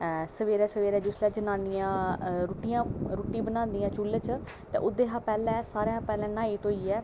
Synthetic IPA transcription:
səʋeːɾɛːsəʋeːɾɛːd͡ʒʊslɛːd͡ʒənaːnijãːɾuːʈijãːɾuːʈĩːbənãːnd̪ijãːt͡ʃulət͡ʃ | t̪ɛ̰̃ːʔʊd̪eːɦãːpɛːlɛ̃ːsaːɾẽːɦãːpɛːlɛ̃ːnaːiːt̪oːiːɛː

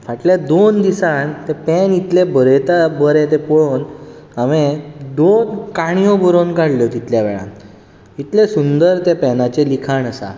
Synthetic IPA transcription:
faʈljad̪ond̪isant̪epɛnit̪lebəɾet̪abəɾẽt̪̬epɔɭon | amẽd̪onkaɽ̃ijobəɾonkaɽljot̪it̪ljaʋɛ̰ɭã̰ | it̪lesund̪əɾt̪epɛnat͡ɕelikʰaɳəsa̰

